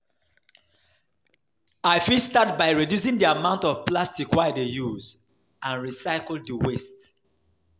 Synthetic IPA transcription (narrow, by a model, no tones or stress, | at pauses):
aɪfistat̚baɪɹidjus̬ĩŋdiamãʊ̃ntɔv̥plastikwaɪdejuz | ãnɹisaɪkl̩ˠddiwest